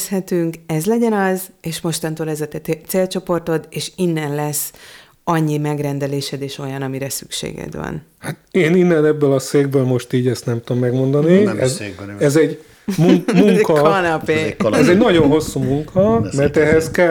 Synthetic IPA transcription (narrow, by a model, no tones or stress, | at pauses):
shɛt̪yŋkɛzlɛɟɛnɒzeːʃmo̞ʃt̪ɒnt̪oːlɛzɒt̪ɛt̪seːlt͡ʃo̞po̞rt̪o̞d̪eːʃinːɛnlɛsː | ɒɲːimɛɡrɛnd̪ɛleːʃɛd̪eːʃo̞jɒnɒmiɾɛsy̥̰kʃḛːɡɛ̰d̪ʋɒ̰n | hat̪eːninːɛnɛbːølɒseːɡ̚bøːlmo̞ʃt̪iːɟɛst̪nɛmt̪uomːɛɡmo̞nd̪ɒniɛzɛzɛɟ | muŋmuŋkkɒnɒpeːɛzɛɟnɒɟo̞nɦo̞sːuːmuŋkʰɒmɛrt̪ɛɦɛskɛ